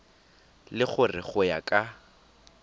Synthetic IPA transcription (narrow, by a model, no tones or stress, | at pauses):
lɪχʊrɪ̰χʊja̰kʼa